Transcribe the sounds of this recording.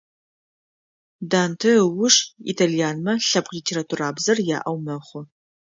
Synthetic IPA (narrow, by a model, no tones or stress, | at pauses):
daːntʰɐwʊʂḭtʰaːlijaːnmɐɬɐpqlitʰeːɾatʰuraːbzɐrja̰ːʔɐwmɐχʷʊ